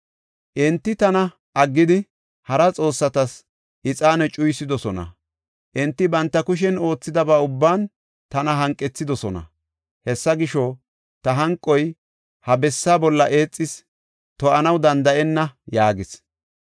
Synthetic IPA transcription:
ʔɪnt̪ːɪt̪ɐnɐ | ʔɐɡːɪd̪ɪ | hɐɾɐt͡sʼo̞ːsːɐt̪ɐs | ʔɪt͡sʼaːnɛt͡ʃʼʊjsɪd̪ɔsɔnɐ̰ | ʔɪnt̪ːɪbɐnt̪ːɐkʊʃ̬ɛno̞ːt͡sːɪd̪ɐbaːʊbːaːn | t̪ɐnɐɦɐŋkʼːɛt͡sːɪd̪ɔsɔnɐ̰ | hɛsːɐɡɪʃɔ | t̪ɐɦɐŋkʼːɔj | hɐbɛsːaːbɔlːɐʔe̞ːt͡sʼːɪs | t̪ɔʔɐnɐwd̪ɐnd̪ɐʔɛnːɐjaːɡɪs

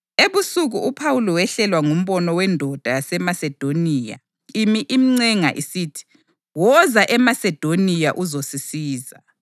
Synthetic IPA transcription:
eβusuɣuupʰawulɔwɛɬɛlwaŋum̩βɔnɔwɛndʱɔd̥ʱajasɛmasɛd̥ʱoniːja̰ | imiʔimiŋ͡ǀɛŋaʔisiːtʰi̥ | wɔzaʔɛmasɛd̥ʱonijaʔuzosisiːza̰

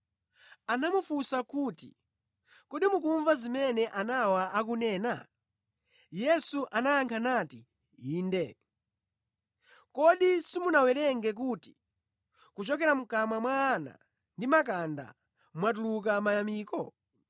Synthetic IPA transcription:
anamufusakutḭ | kɔɗimuk̬uɱvazimɛnɛʔanawaʔak̬unɛːna̰ | jɛsuʔanajaŋkʰanati | iːndɛ | kɔɗisimunawɛɾɛŋɡɛk̬uːti̥ | kut͡ʃɔkɛɾam̩kamamwaːna̰ | ndimak̬anda̰ | mwat̬uluk̬amaamiːkɔ

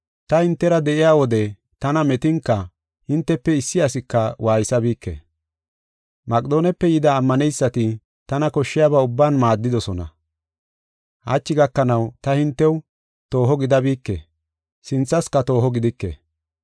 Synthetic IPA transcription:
t̪ɐhɪnt̪ːɛɾɐd̪ɛʔɪjaːwɔd̪ɛ | t̪ɐnɐmɛt̪ɪŋkːɐ | hɪnt̪ːɛpːɛɪsːɪjɐsɪkːɐwʔaːjɪsɐbiːkːḛ | mɐkʼd̪o̞ːnɛpːɛjɪd̪ɐːmːɐnɛjsːɐt̪ɪ | t̪ɐnɐkɔʃːɪjaːβaʊbːaːnmaːd̪ːɪd̪ɔsɔnɐ̰ | hɐ̰t͡ʃːɪɡɐkːɐnɐwt̪ɐhɪnt̪ːɛw | t̪o̞ːɦɔɡɪd̪ɐbiːkːḛ | sɪnt͡sːɐskɐt̪o̞ːhɔɡɪd̪ɪkːḛ

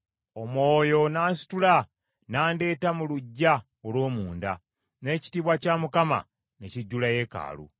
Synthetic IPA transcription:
o̞mo̞ːjo̞naːnsi̥tula | naːnde̞ːtamuluɟːa | olwo̞ːmuːnda | ne̞ːci̥tiːβwacaːmukama̰ | ne̞ciɟːulaje̞ka̰ːlṵ

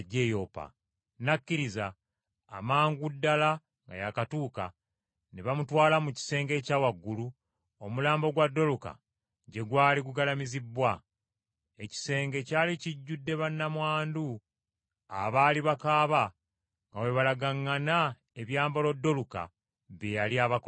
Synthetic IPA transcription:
ɟːejo̞pa̰ | nakːiɾizaː | maːŋɡudːala | ŋɡa̰jakatuːka̰ | neβamutwaːlamuci̥se̞ːŋɡe̞caːwaɡːulu | omulaːmbo̞ɡwadːo̞luka̰ | ɟe̞ɡwaːliɡuɡalamizibːwa | e̞ci̥se̞ːŋɡe̞caːliciɟːudːe̞βanːamwaːndu | a̰βaːliβakaːβa | ŋɡawe̞βalaɡaŋːana | eβjaːmbolo̞dːo̞luka̰ | βjejaliaβak

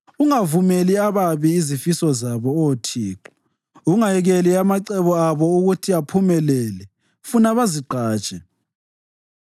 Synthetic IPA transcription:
uŋavumeliaβaβiːzifisɔzaβɔotʰiːǁɔ̥ | uŋajɛɣeliamaǃɛβɔaβɔuɣutʰiapʰumɛlɛlɛ | funaβaziǃaːt͡ʃʼɛ

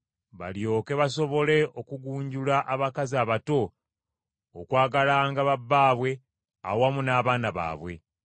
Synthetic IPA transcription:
βa̰ljo̞ːke̞βaso̞βo̞le̞ʔokuɡuːɲɟulaʔaβakaziaβato̞ | kwaːɡalaŋɡaβabːaːβwe̞ | a̰wamunaːβaːnaβa̰ːβwe̞̰

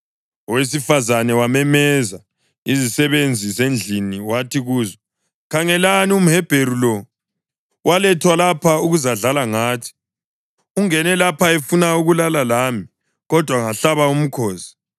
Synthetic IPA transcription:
ɔwes̬ifazanɛwamɛmɛza | izisɛβend͡zʱizend͡ɮʱiniwatʰiɣuːzɔ | kʰaŋɛlanium̩ɦɛb̥ʱeɾulɔ | walɛtʰwalapʰauɣuzaɮalaŋaːtʰi̥ | uŋɛnɛlapʰaefunauɣulalalaːmi | ɣɔd̥ʱwaŋaɬaβaum̩kʰɔːsi̥

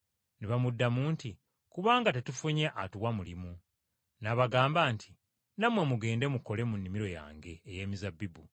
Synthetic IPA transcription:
neβamudːamuːnti | kuβaːŋɡate̞tufuɲeʔatuwamulimu | naβaɡaːmbaːntʰi | namwe̞muɡe̞ːnde̞muko̞le̞munːimiɾo̞ja̰ːŋɡe̞ːje̞ːmizabːibu

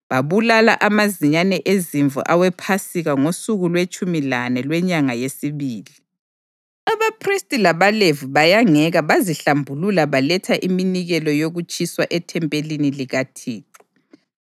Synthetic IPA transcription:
βaβulala̰ʔamaziɲanɛʔeziɱvʱṵʔawɛpʰasiɣaŋosuɣulwet͡ʃʼumilanɛlwɛɲaŋajesiβiːli | aβapʰristʼilaβalevuβajaŋɛɣaβaziɬambʱululaβalɛtʰaʔiminiɣɛlɔjoɣut͡ʃʼʰiswaʔɛtʰɛmpʼeliniliɣatʰiːǃi̥

